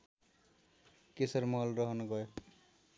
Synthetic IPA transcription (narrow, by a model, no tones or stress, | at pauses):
kesʌrmʌɦʌlrʌɦʌnoɡʌjo